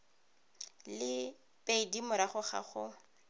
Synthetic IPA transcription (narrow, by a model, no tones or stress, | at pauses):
lɪ | pʼeidimʊɾaχʊχa̰χʊ